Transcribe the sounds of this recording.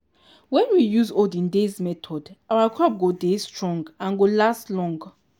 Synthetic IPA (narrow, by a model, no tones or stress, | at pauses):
wɛ̃nwijuzodĩndezmɛtʰɔdʔawakʰɹɔp̚ɡodestʰɹɔ̃ŋɡãnɡolastlɔ̃ŋɡ